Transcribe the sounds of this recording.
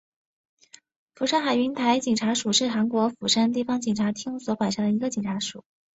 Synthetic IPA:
fu˨˩ʂa˥nxa˨˩ɪy˧˥nt̪ʰa˧˥ɪt͡ɕi˨˩ŋʈ͡ʂʰa˧˥ʂu˨˩ʂɻ̩˥˩xa˧˥nkwɔ˧˥fu˨˩ʂa˥nt̪̬i˥˩fɑ˧˥ŋt͡ɕi˨˩ŋʈ͡ʂʰa˧˥t̪ʰi˥ŋswɔ˧˥pwa˨˩nʂa˥ŋd̪ə˨˩i˧˥ɡə˧t͡ɕi˨˩ŋʈ͡ʂʰa˧˥ʂu˨˩˦

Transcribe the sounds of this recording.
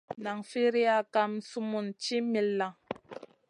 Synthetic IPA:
na˨ŋfi˦ɾi˦a˦˨ka˦m̩˨˦su˦mu˨nt͡ʃi˦mi˨lːa˨ŋ

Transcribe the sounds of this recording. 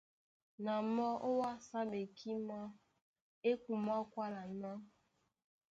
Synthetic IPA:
na˨mɔ˦ʔo˦wa˦sa˦be˨kʰi˦m˦ɔ˦ | e˦kʷu˨m˦ɔ˦kʷa˦na˨nɔ˦

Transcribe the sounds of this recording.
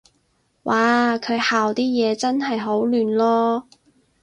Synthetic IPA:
wʔaː˨˩kʰɵ˨˧ɥhaː˨wt̪iː˥jɛː˨˧t͡sɐ˥nɦɐ˨jɦo˨˥wlyː˨nlɔː˥

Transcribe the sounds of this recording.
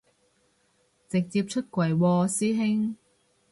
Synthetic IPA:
t͡sɪ˨k̚t͡siː˧p̚t͡ʃʰɵ˥t̚kwɐ˨˩jwɔː˧siː˥ɦɪ˥ŋ

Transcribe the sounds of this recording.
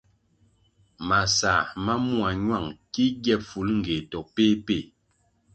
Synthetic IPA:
ma˨sa˨ma˦mu˦a˨ɲwa˦˨ŋki˦ɡjɛ˦˨fu˨˦lŋ̩˨ɡe˨tɔ˨k̚pe˦pe˦˨

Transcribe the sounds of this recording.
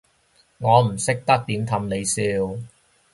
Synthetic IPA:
ŋɔː˨˧m̩˨˩sɪ˥k̚t̪ɐ˥k̚t̪iː˨˥mt̪ʰɐ˧mne˨˧jsiː˧w

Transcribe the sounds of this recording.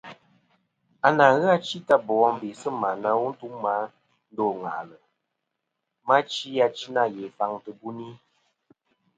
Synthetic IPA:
a˨na˨˦ɣɨ˦a˦t͡ʃi˦ta˦bɔ˨wɔ˦ŋbe˨sə˦ma˨na˧˦wu˦n̩˦tu˦ŋma˨˦ | n̩˦dɔ˦˨ŋa̰˨ʔlə˨ | ma˦t͡ʃi˦a˧t͡ʃi˦na˦˨jɛ˨fa˨ŋtɨ˨bu˦ni˦

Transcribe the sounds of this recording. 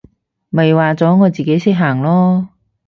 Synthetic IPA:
mɐ˨jwaː˨t͡sɔː˨˥ŋɔː˨˧t͡siː˨ke˨˥jsiː˥ɦaː˨˩ŋlɔː˥

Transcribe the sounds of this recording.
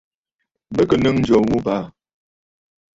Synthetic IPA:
bə˦kə˨nɨ˦ŋn̩˦d͡ʒo˨wu˦pa˦˨

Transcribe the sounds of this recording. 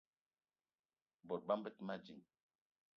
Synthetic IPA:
bɔ˨ɾ̚ba˦mbə˦tma˦d͡ʒi˨ŋ

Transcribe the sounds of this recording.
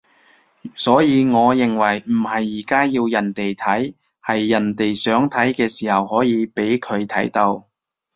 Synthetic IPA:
sɔː˨˥jiː˨˧ŋɔː˨˧jɪ˨˩ŋwɐ˨˩jm̩˨˩hɐ˨jːiː˨˩kaː˥jiː˧wjɐ˨˩nt̪e˨jt̪ʰɐ˨˥j | hɐ˨jːɐ˨˩nt̪e˨jsœː˨˥ŋt̪ʰɐ˨˥jkɛː˧siː˨˩hɐ˨˩whɔː˨˥jiː˨˧pe˨˥jkʰɵ˨˧ɥt̪ʰɐ̰˨˥jt̪o˧w

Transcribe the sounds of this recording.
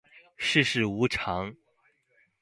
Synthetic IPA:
ʂɻ̩˥˧ʂɻ̩˥˩u˧˥ʈ͡ʂʰɑ˧˥ŋ

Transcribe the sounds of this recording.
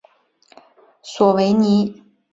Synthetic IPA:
swɔ˨˩we˧˥ɪni˧˥˦

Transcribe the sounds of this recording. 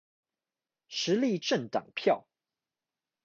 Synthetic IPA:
ʂɻ̩˨˥li˥˧ʈ͡ʂə˥˨ŋt̪ɑ̰˨˩ŋpʰjɑ˥˨ʊ

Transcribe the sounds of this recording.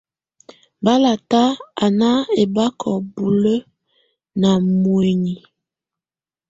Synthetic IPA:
ba˦la˨ta˦a˨na˦e˨ba˦kʰɔ˨bu˨lə˦ | na˨mwe˨ɲi˨

